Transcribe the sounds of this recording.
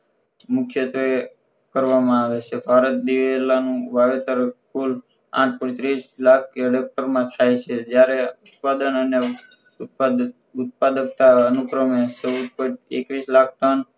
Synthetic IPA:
mʊkʰjət̪ʋe | kəɾʋamãaʋet͡ʃʰebʱaɾət̪̚d̪iʋelanũʋaʋet̪əɾkul | a̰ʈ̚ʰpɔ̃t̪ɾislak̚ʰəɖek̚ʈəɾmãt̪ʰajt͡ʃʰed͡ʒjaɾeut̪̚pad̪ənəne | ut̪̚pad̪əkt̪aənupɾəmesəpɔekʋislak̚ʰʈən

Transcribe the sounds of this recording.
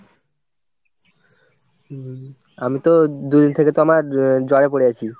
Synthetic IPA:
amit̪od̪ud̪int̪ʰeket̪oamaɾd͡ʑɔɽepoɽeat͡ɕʰi

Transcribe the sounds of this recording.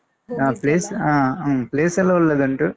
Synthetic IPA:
aːpliːsapleːsɐlːɐulːed̪ɐɳʈuː

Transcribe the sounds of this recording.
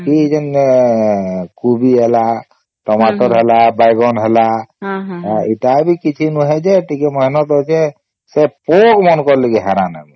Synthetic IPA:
kid͡ʒen | kubiɦela | ʈɔmaʈɔɾɦelabajɡɔnɦela | aiʈabikit͡ʃʰinuɦɛd͡ʒeʈʰikemɔɦinɔt̪ɦot͡ʃʰɛ | sepokmɔnkɔɾlekiɦaɾanə̰bi

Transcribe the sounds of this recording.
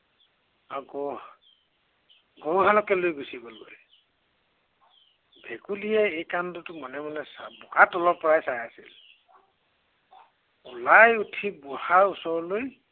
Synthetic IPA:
aɡo | ɡowɦalɔkɛlojɡusibɔlo̰j | bʱekulijɛejkandɔtʊmɔnɛmɔnɛsabɔkatɔlɔpɔɹajsajasḭl | ulajutʰibʊhausɔɹɔloj

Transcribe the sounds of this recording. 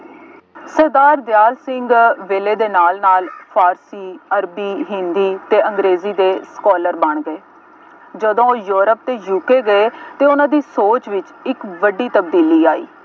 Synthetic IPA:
səɾd̪aːɾd̪jaːlsɪŋɡʋeːleːd̪eːnaːlnaːlpʰaːɾsiːəɾbiːɦɪ̃nd̪iːt̪eːəŋɡɾeːziːd̪eːskɔːləɾbəɳɡəeː | d͡ʒəd̪õːjoːɾəp̚t̪eːjuːkeːɡəeːt̪eːʊnãːd̪iːsoːt͡ʃʋɪt͡ʃ | ɪkʋəɖiːt̪əb̚d̪iːliːaːḭː

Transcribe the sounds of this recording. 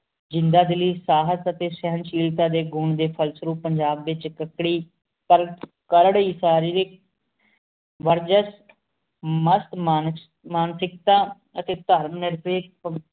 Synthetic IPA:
d͡ʒɪ̃nd̪aːd̪ɪliːsaːɦət̪ət̪eːsɛɦənʃiːlt̪ãːd̪eːɡuɳd̪eːpʰəlsɾuːpːəɲd͡ʒaːbːɪt͡ʃkəkɽiː | pəɾ | kəɾəɽiːsaːɾiːɾek | ʋəɾd͡ʒəs | məst̪ma | maːnsɪk̚t̪ãː | ət̪eːt̪əɾmnɪɾpeːpə

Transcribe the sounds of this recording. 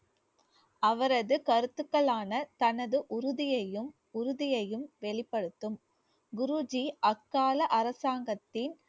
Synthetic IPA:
ʔɐʋɐɾɐðɯkɐɾɯt̪ːɯkːɐɭaːnɐt̪ɐnɐðɯʔʊɾʊðɪjɐjɯm | ʊɾʊðɪjɐjɯmʋɛɭɪpːɐɽɯt̪ːɯm | ɡʊɾud͡ʒiʔɐkːaːlɐʔɐɾɐsaːŋɡɐt̪ːɪn

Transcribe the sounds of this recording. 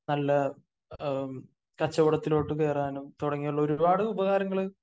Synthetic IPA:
nɐlːɐ | kɐt͡ɕːɐʋuɽɐt̪ːilo̞ːʈːɨke̞ːraːnumt̪uɽɐŋːijuɭːɐoɾubaːɽɨubɐɣaːɾɐŋːɐɭɨ

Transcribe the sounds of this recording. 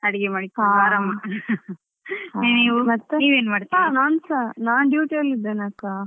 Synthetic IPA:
ɐɽɛɡemaːɽiaːɾɐmɐ | niːʋumɐɽt̪ːeniːʋeːnmaːɽt̪ianaːnsanaːnɖjuːʈeɐlid̪ːeːnɐkːaː

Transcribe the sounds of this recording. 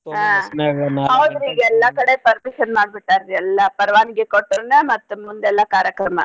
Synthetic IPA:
aɐnɐwd̪ɾiːɡɛlːɐkɐɽepɐɾmiʃɐnmaːɖbiʈːaːɾɾiɛlːɐpɐɾɐʋaːniɡekoʈːɾɐnɐmɐt̪ːumund̪ɛlːɐkaːɾjɐkɾɐmɐ̰

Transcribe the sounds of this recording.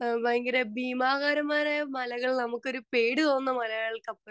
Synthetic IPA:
bɐŋɡiɾebiːmaːɣaːɾɐmaːɾemɐlɐɣɐɭnɐmukːo̞ɾupeːɽɨt̪o̞ːnːɐmɐlɐjɐɭkɐpːɐ

